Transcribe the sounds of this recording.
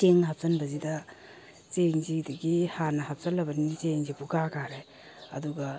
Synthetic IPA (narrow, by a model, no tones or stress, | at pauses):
teŋnɦap̚sɐnbɐzidɐ | t͡ʃeŋzidɐɡihanɐhap̚sɐlːɐbɐnit͡ʃeŋzibuɡakaɾe | ɐ̰duɡɐ